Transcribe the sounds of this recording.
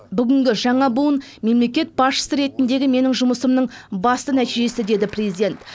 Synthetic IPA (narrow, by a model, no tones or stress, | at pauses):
bʏɡʲɪŋɡʲɪʒɑɴɑbuənme̞mle̞kʲe̞t̪̚bɑsʃə̥səɾe̞t̪ɪnd̪e̞ɡʲɪme̞nɪŋʒʊməsəmnəɴbɑst̪ənæt̪iʒe̞sɪd̪e̞d̪ɪprʲezid̪ʲe̞nt̪